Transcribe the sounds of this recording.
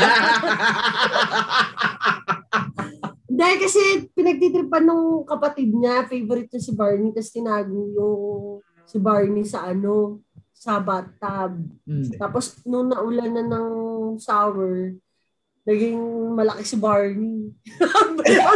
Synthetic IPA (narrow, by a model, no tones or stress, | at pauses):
d̪aːhɪlkɐsɛpɪnɐɡ̚t̪it̪ɾɪpɐnːʊŋkɐpɐt̪ɪd̪̚ɲafejvoɾɪt̪̚ɲɐsɪbaɹnik̪ɐsɛt̪ɪnaːɡʊŋjʊŋ | sɪbaɹnisɐʔɐno̞ | sɐbat̪ːɐb̚t̪aːposnʊŋnɐʔʊlanːɐnɐŋsawɛɹ | nɐɡɪŋmɐlɐkɛsɪbaɹni | b